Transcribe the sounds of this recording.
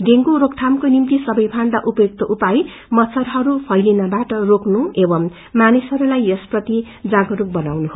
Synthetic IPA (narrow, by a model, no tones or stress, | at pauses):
d̪eŋɡuɾok̚t̪ʰamkonimt̪isʌbʌjpʰand̪aʔupʌjok̚t̪ʌʔupaj | mʌt͡sʰʌrɦʌɾupʰʌjlinʌbaʈʌroknuebʌmː | anisɦʌɾulajesprʌt̪i | d͡zaɡʌɾuk̚bʌnawnuɦo